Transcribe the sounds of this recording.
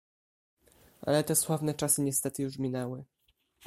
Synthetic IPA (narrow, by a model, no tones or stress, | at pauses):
ʔa̰lɛt̪ɛswavnɛt͡ʂasɘɲɛst̪ɛt̪ɘjuʐmʲinɛwɘ